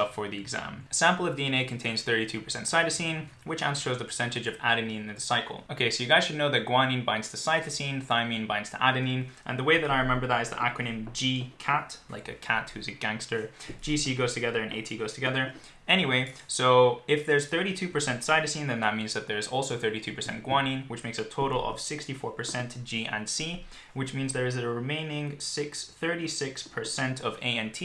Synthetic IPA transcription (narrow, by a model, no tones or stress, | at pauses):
ʌffə˞ðiɨɡzæ̰̃mɨsæ̃mpl̩ˠʌvdiɨ̃neɪkʰn̩tʰẽɪ̃nz̥θɜ˞ɾitʰʉpʰə̥˞sɛ̃ntsaɪɾɨsĩn | wɨt͡ʃæ̰̃nsʃoʊzðəpʰə̥˞sɛ̃ntɨd͡ʒʌvæ̰ɾɨnĩnðəsaɪkl̩ˠoʊkʰeɪsoʊjɨɡaɪz̥ʃɨdⁿnoʊðɨt̚ɡ̥wɑ̃nĩnbãɪ̃ndz̥tʰɨsaɪθɨsĩnθãɪ̃mĩnbãɪ̃ndz̥tʰə̰ʔæɾɨnĩnʔɨ̰̃nðəweɪðɨɾaɪɹɨmɛ̃mbə˞ðəɾɨzðḭʔæ̰kɹɨnɨ̃md͡ʒikʰætla̰ɪkɨ̰kʰæt̚hʉzɨɡæ̃ŋkstə˞d͡ʒisiɡoʊz̥tʰɨɡɛðə˞ɨ̃nʔḛɪtʰiɡoʊz̥tʰɨɡɛðə˞ | ɛñiweɪsoʊɪfðə˞z̥θɜ˞ɾitʰʉpə˞sɛ̃ntsaɪɾɨsĩnðɨ̃nðət̚mĩnzðɨt̪̚ðə˞ɨzɔlˠsoʊθɜ˞ɾitʰʉpʰə˞sɛ̰̃nɡ̥wɑ̃nĩnwɨt͡ʃmeɪksɨtʰoʊɾl̩ˠʌ̰v̥sɪkstifɔɹpʰə˞sɛ̃ntd̥ʒ̥iʔɨ̰̃nsi | wɨt͡ʃmĩnzðə˞ɨzɨɹɨmẽɪ̃nɪ̃ŋsɪksθɜ˞ɾisɪkspʰə˞sɛ̃ntʰʌveɪɨ̃ntʰi